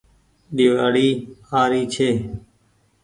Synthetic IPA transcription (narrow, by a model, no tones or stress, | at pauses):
ɗiʋaːɽiːaːɾiːt͡ʃʰeː